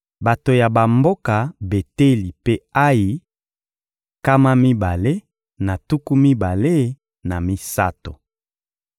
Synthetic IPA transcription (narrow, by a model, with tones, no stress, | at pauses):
ba˨to˨ja˨ba˨mbo˦ka˨be˨te˦li˨pe˦a˦ji˨ | ka˦ma˦mi˦ba˨le˦ | na˨tu˦ku˦mi˦ba˨le˦ | na˨mi˦sa̰˦to̰˨